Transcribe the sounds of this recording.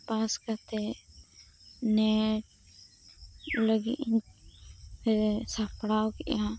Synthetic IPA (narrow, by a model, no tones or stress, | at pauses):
paskat̪ɛ | nɛʈ | ləɡiʔ̪ | sapɽawkɛʔa